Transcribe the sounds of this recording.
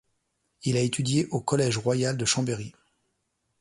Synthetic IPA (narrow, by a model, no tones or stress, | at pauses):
ilaet̪ʰyd̪jeʔokɔlɛʒʁwajald̪əʃɑ̃beʁi